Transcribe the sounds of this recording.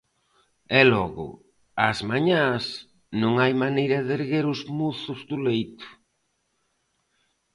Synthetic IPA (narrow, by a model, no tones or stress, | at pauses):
ɛlɔɣʊ̰ | azmaɲas | nõŋajmanejɾɐðeɾɣeɾʊzmuθʊzðulejt̪ʊ̥